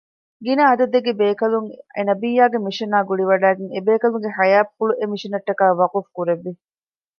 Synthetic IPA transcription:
ɡinɐɐd̪ɐd̪eɡebeːkɐluŋḛnɐbijːaːɡemiʃɐnaːɡuɭiʋɐɖæːɡeŋebeːkɐluŋɡeħɐjaːpfuɭuʔemiʃinɐʈːɐkaːʋɐqufkuɾeʋːi

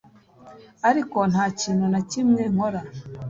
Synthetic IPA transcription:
aɾiko̞n̥haːciːnunacimŋe̞ŋ̥o̞ɾa

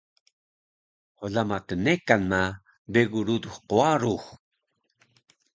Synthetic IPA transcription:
hoɮamatənekanma | beɣuɾud̪uxqoaɾux

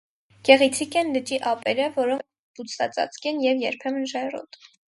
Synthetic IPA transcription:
ɡ̥ɛʁit͡sʰikɛnlət͡ʃiʔɑpɛɾəvɔɾɔ | put͡s̪ʰɑ̰t͡sʼɑ̰t͡skɛnjɛvjɛɾpʰɛmənʒɑjrɔ̰t̪

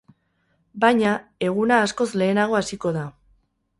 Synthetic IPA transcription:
bajɲae̞ɣ̞unaːsko̞zle̞ːnaɣ̞o̞asiko̞ða

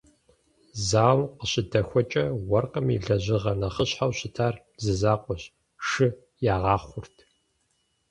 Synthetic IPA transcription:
zaːwqəɕɪdɐxʷɔt͡ʃʼɐwɐrqəmḭɮɐʑɪʁɐnɐχəɕħawɕɪtʰaːr | zɨzaːqʷɔɕ | ʂɨ | jaːʁɑːχʷʊrtʰ

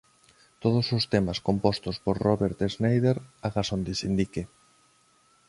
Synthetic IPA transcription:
t̪oð̞osost̪emaskompɔst̪ospoɾroβeɾt̪eznejðeɾaɣasond̪ɪsind̪ike

